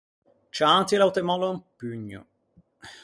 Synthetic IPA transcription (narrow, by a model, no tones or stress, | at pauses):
t͡ʃat̪ilawt̪emɔlompyɲːʊ̰